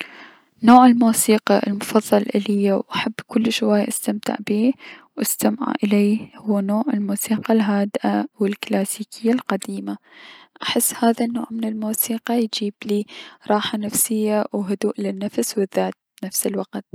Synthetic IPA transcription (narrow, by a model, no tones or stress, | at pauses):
noːʕɪlmuːsiːqɑʔɪ̰lmʊfɑðˤːɑlʔɪlɪjːawʔaħabːkʊlːʃwajːʔast̪amt̪ɪ̰ʕbiːwʔast̪amʕa̰ʔɪleːhʊwːanoːʕɪlmuːsiːqɑlɦaːd̪ɪʔawɪlklaːsiːkʰɪjːalqad̪iːma | ʔaħɪsːhaːðanːo̰ːʕmɪnɪlmuːsiːqɑjd͡ʒiːbliːɾˤɑːħanafsɪjːawɦʊd̪uːʔlɪnːafswɪðːaːt̪̚nafsɪlwaqt̪̚